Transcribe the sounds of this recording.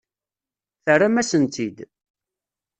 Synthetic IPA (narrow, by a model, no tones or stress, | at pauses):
θərːamæsənt̪ʰid̪